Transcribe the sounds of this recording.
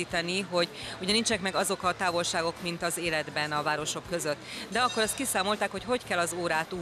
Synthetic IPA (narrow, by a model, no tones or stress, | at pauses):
iːt̪ɛniɦo̞ɟuɟɛnint͡ʃɛnɛkmɛɡɒzo̞kɒt̪aːvo̞lʃaːɡo̞kmint̪ɒzeːlɛd̪bɛnɒvaːɾo̞ʃo̞kːø̞zø̞t̪ːd̪ɛɒkːo̞ɾɒst̪kisaːmo̞lt̪aːkho̞cɦo̞ckɛlːɒzoːɾaːt̪u